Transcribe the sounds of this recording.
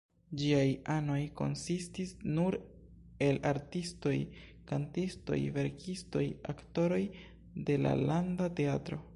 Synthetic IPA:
d͡ʒiajano̞jko̞̰nsistisnuɾ | e̞laɾtisto̞j | kantisto̞̰jve̞ɾkʰisto̞̰ja̰kto̞ɾo̞j | de̞la̰landate̞atɾo̞

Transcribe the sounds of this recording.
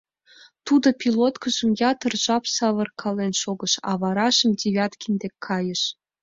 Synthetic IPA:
t̪ud̪opʲilot̪kəʒəmjɑt̪ərʒ̥ɑpsɑβərkʰɑlenʃoɣəʃɑ̰βɑɾɑʃəmdʲiβʲɑt̪kʲind̪ekʰːɑjəʃ

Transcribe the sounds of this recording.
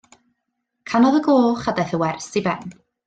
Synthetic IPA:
kʰanɔðəɡoːχadaθəwɛrsibɛn

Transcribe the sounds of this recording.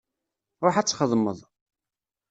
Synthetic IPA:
ɾˤʊħat͡sːχəðˤməðˤ

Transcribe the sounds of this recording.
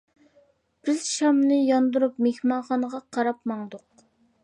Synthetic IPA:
b̥ɪzʃɑmnɨjɑnd̪uɾupmehmɑχɑnəʁɑqʰɑɾɑpmɑŋd̪ʊq̚

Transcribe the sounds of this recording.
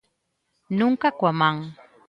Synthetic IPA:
nʊŋkakwamaŋ

